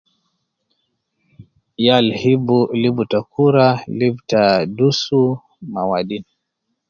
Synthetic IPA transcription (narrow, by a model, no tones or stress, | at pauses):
jalhibulibutakuɾalibtadusu | mawaɗini